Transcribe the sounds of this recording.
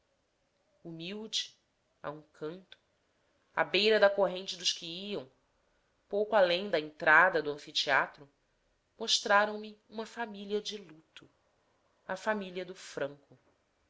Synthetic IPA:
umiwd͡ʒɪ | a̰ũkʰɐ̃nt̪ʊ̥ | a̰bejɾɐd̪ɐkoɦẽnt͡ʃɪd̪ʊʃkɪiɐ̃w̃ | powkʊalẽj̃d̪ɐẽnt̪ɾad̪ɐd̪ʊɐ̃fit͡ʃiat̪ɾʊ | moʃt̪ɾaɾɐ̃w̃mɪũmɐfamiliɐd͡ʒɪlut̪ʊ | ɐfamiliɐd̪ʊfɾɐ̃ŋkʊ

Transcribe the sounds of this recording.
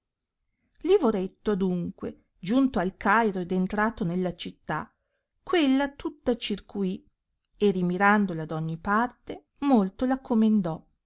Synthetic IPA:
livoɾet̪ːoad̪uŋkwe | d͡ʒunt̪oalkajɾoed̪ent̪ɾaːt̪onelːat͡ʃit̪ːa | kːwelːat̪ut̪ːat͡ʃirkʰui | erimiɾand̪olad̪ɔɲːipart̪e | molt̪olakʰːomend̪ɔ

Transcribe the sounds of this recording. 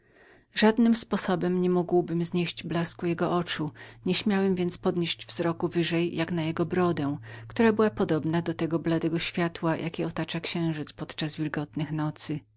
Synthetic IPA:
ʐad̪nɘmspɔsɔbɛmɲɛmuɡwbɘmzɲeɕd͡ʑblaskujɛɡɔʔɔt͡ʂuɲɛɕmʲjawɛmvʲjɛnt̪spɔd̪ɲeɕd͡ʑvzɾɔkuvɘʐɛjːjaknajɛɡɔbɾɔd̪ɛ̃kt̪uɾabɘwapɔd̪ɔbnad̪ɔt̪ɛɡɔblad̪ɛɡɔɕfʲjat̪wajʔa̰kʲɛɔt̪at͡ʂakɕɛ̃w̃ʐɘt̪spɔt̪t͡ʂazvʲilɡɔt̪nɘxnɔt̪sɘ

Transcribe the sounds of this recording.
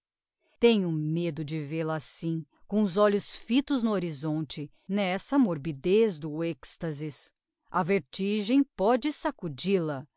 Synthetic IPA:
t̪ẽɲ̃ʊmed̪ʊd͡ʒɪvelɐasĩ | kõʊzɔʎʊsfit̪ʊznʊoɾizõnt͡ʃɪ | nɛsɐmoɾbid̪ezd̪ʊɛkst̪ɐzis | ɐveɾt͡ʃiʒẽj̃pɔd͡ʒɪsakud͡ʒilɐ

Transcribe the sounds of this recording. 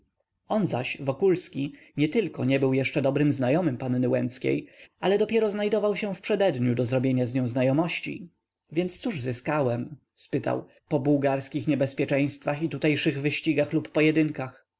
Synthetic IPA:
ɔnzaɕvɔkulskʲi | ɲɛt̪ɘlkɔɲɛbɘwjɛʂt͡ʂɛd̪ɔbɾɘmznajɔmɘmpanːɘwɛnt̪skʲḛjʔalɛd̪ɔpʲjɛɾɔznajd̪ɔvawɕɛfpʂɛd̪ɛd̪ɲud̪ɔzɾɔbʲjeɲazɲɔ̃w̃znajɔmɔɕt͡ɕḭ | vʲjɛnt̪st̪suʐzɘskawɛm | spɘt̪a̰w | pɔbuwɡaɾskʲixɲɛbɛspʲjɛt͡ʂɛ̃j̃st̪faxit̪ut̪ɛjʂɘɣvɘɕt͡ɕiɡaxlupːɔjɛd̪ɘŋkax

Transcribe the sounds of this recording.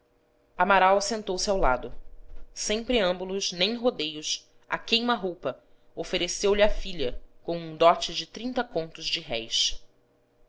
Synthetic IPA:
ɐmaɾawsẽnt̪owsɪawlad̪ʊsẽj̃pɾeɐ̃mbulʊʃnẽj̃ɦod̪ejʊs | a̰kejmɐɦowpɐ | ofeɾesewlɪɐfiʎɐkõw̃ũd̪ɔt͡ʃɪd͡ʒɪt̪ɾĩnt̪ɐkõnt̪ʊzd͡ʒɪɦɛjs

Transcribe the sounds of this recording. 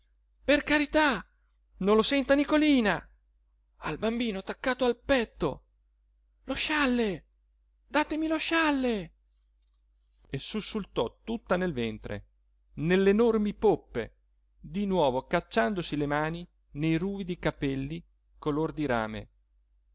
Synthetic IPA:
perkaɾit̪a | nolosɛnt̪anikoliːna | albambiːnoat̪ːakːaːt̪oalpɛt̪ːo̰ | loʃalːe | d̪aːt̪emiloʃalːe | esːusːult̪ɔt̪ːut̪ːanelvɛnt̪ɾḛ | nelːenormipopːḛ | d̪inwɔːvokat͡ʃːand̪osilemaːni | nejruːid̪ikapɛlːi | kolord̪iɾa̰ːmḛ

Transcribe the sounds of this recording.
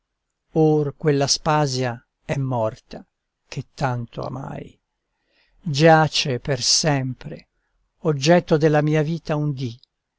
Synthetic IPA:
orkwelːaspaːzja | ɛmːɔrt̪a | k̟et̪ːant̪o̰a̰ma̰j | d͡ʒat͡ʃepersɛmpɾe | od͡ʒːɛt̪ːod̪elːamiːaviːt̪aund̪i

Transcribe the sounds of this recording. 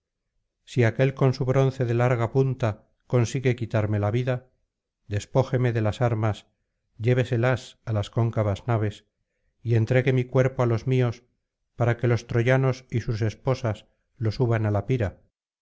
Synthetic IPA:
siake̞lko̞nsuβɾo̞nθe̞ðe̞laɾɣ̞apunt̪a | ko̞nsiɣe̞kit̪aɾme̞laβiða | ðe̞spo̞xe̞me̞ðe̞lasaɾmas | ɟ͡ʝe̞β̞e̞se̞lasalasko̞ŋkaβaznaβe̞s | ie̞nt̪ɾe̞ɣe̞mikwe̞ɾpoalo̞zmio̞s | paɾake̞lo̞st̪ɾo̞ʝano̞sisuse̞spo̞sas | lo̞suβanalapiɾa

